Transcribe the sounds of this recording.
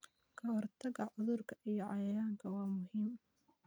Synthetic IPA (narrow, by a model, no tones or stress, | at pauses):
kʰɐwɑrt̪ʰɐɣɐʕʊðʊrkʰɐʔijɞʕɑjɐjaːŋkʰɐwɑːmʊɦiːm